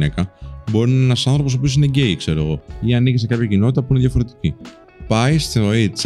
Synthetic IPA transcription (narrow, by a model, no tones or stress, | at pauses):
ekɐbo̞ɾinenɐsɐnθɾo̞pos̬opio̞sine̞ɟe̞ikse̞ɾoɣo̞̰iɐnicisekɐpçɐcino̞t̪i̥t̪ɐpuineðʝɐfo̞ɾe̞t̪i̥ci | pɐist̪iɾo̞it͡s